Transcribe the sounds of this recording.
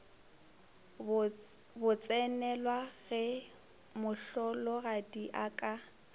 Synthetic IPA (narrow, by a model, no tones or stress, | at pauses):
bʊt͡sʼɛnɛlwaɣɛ | mʊɬɔlɔɣadiʔakʼa